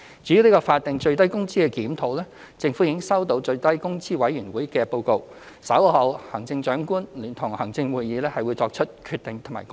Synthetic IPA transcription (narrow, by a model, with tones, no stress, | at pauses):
t͡ʃy˨˧˥ji˧wni˥kɔː˧faː˧t̚t̪ɪ˨ŋt͡ʃɵ˧ɥt̪ɐ˥jkʊ˥ŋt͡siː˥kɛ˧kiː˨˥mt̪ʰo˨˧wlɛː˥ | t͡sɪ˧ŋfu˨˥jiː˨˧kɪ˥ŋsɐ˥wt̪̬o˧˥wt͡ʃɵ˧ɥt̪ɐ˥jkʊ˥ŋt͡siː˥wɐ˨˧˥jyː˨˩nwuː˨˥jkɛː˧po˧wko˧w | sɐ˨˥whɐ˨˧whɐ˨˩ŋt͡sɪ˧ŋt͡ʃœː˨˥ŋkuː˥nliː˨˩nt̪ʰʊ˨˩ŋhɐ˨˩ŋt͡sɪ˧ŋwuː˨jiː˨˧lɛː˥hɐ˨jwuː˨˧jt͡sɔː˧k̚t͡ʃʰɵ˥t̚kʰy˧t̚t̪ɪ˨ŋt̪ʰma̰˨˩